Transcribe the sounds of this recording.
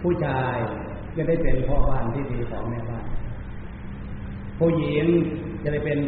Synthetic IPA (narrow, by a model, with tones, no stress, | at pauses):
pʰuː˥˩t͡ɕʰaː˧j | t͡ɕa˧˥˩da˥˩jpe˧npʰɔː˧˥˩baː˥˩nt̪ʰiː˥˩siː˧˩kʰɔː˩˦ŋmɛː˧˨baː˥˩n | pʰuː˧˩˨ji˨˦ŋ | t͡ɕa˧da˥˩jpe˧n